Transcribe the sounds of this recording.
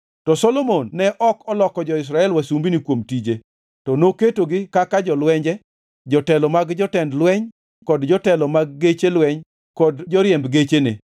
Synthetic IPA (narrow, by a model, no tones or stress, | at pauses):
tɔsɔlomonːɛʔɔkɔlɔkɔd͡ʒɔɪs̬ɾaɛlwasumbinikwomtid͡ʒe | tɔnoketoɡɪkakad͡ʒɔlwɛɲd͡ʒɛ | d͡ʒɔtɛlɔmaɡd͡ʒɔtɛndlwɛɲ | kɔdd͡ʒɔtɛlɔmaɡ̚ːet͡ʃelwɛɲ | kɔdd͡ʒɔɾjɛmbɡet͡ʃenḛ